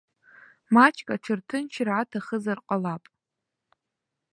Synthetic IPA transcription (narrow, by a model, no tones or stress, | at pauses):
mat͡ʃʰʼkʼaʈ͡ʂʰɨrtʰɨnt͡ʃʰrʕatʰaχəzarqʼalapʼ